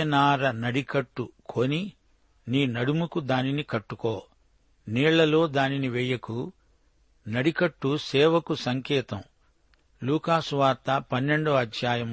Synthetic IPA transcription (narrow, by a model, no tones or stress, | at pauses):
ɐnaːɾɐnɐɽikɐʈːukʰoni | niːnɐɽumukud̪aːninikɐʈːukoː | niːɭːɐlo̞ːd̪aːniniʋɛjɐku | nɐɽikɐʈːusɛːʋɐkusɐŋkɛːt̪ɐm | luːkaːsuʋaːɾt̪ɐpɐnːe̞ɳɖoɐd̪ʱjaːjɐm